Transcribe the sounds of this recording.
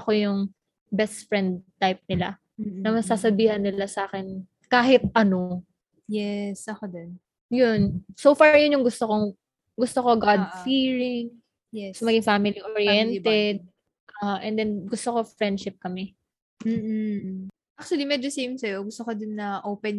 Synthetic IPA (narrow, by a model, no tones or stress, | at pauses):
ɐko̞jʊŋ | bɛst̪fɹɛnd̪̚t̪ːajp̚nɪla̰ | nɐmɐsaːsɐbiːhɐnːɪlasɐaːkɛn | kaːɦɪt̪̚ʔɐno̞ | jɛsɐkod̪on | jʊnsoːfaɹjʊnjʊŋɡʊst̪oko | ɡʊst̪okoɡad̪fiɹɪŋ | jɛsɐmɐɡɪŋfamɪliʔoɹjɛnt̪ɛd̪̚ | ʔɐhaʔɛnd̪ɛnɡʊst̪oko̞fɹɛnd̪ʃɪp̚kɐmɛ | m̩ː | ʔak̚t͡ʃʊɐlimɛd͡ʒosejmsɐjoɡʊst̪okod̪ʊnːɐʔoːpɛn